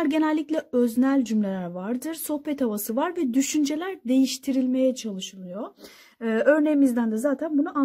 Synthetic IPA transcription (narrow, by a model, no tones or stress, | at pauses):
aɾɟe̞nælʲːicʲlʲɛøznælʲd͡ʒymlʲe̞lʲæɾvaɾd̪ɯɾso̞hpɛt̪ʰavasɯvaɾvɛd̪yʃynd͡ʒe̞lʲæɾd̪e̞jiʃt̪ʰiɾilʲme̞jɛt͡ʃʰalˠɯʃɯlˠɯjo̞ | ʔø̞ɾne̞jimizd̪ænd̪ɛzaːt̪ʰænbunuʔa